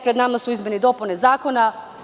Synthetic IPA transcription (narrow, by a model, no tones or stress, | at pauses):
pɾe̞d̪namasuizmenid̪o̞punezaːko̞na